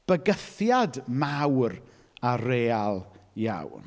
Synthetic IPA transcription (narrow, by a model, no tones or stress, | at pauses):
b̥əɡəθjadmawr | aɾeːalˠja̰wn